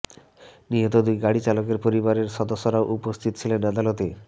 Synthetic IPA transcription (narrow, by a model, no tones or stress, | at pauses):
niɦot̪od̪ujɡaɽit͡ɕalok̬eɾpoɾibaɾeɾʃɔd̪osːoɾaoʔupost̪ʰit̪o̥t͡ɕʰilenad̪alot̪e